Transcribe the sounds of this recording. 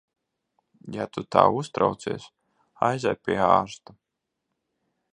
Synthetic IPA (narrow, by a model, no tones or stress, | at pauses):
jat̪ut̪a̰ːust̪ɾawt̪siɛs | ajzajpʲiɛaːɾst̪a